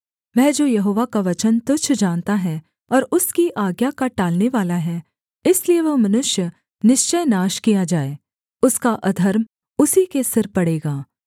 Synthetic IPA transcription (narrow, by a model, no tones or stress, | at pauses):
ʋɛ̃ːd͡ʒoːjɐɦoːʋakaʋɐt͡ʃənt̪ʊt͡ʃʰd͡ʒãːnt̪aɦɛ | ɔːɾʊskiʔaːɡjakaʈaːlneʋaːlaɦɛ | ɪslieʋɐɦmɐnʊʃjə | nɪʃt͡ʃəjnaːʃkijad͡ʒaːeː | ʊskaʔɐd̪ʱɐɾm | ʊsikesɪɾpɐɽeːɡaː